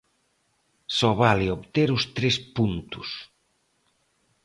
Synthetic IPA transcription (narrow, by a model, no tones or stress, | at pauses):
sɔβalɪoβt̪eɾʊst̪ɾespunt̪ʊs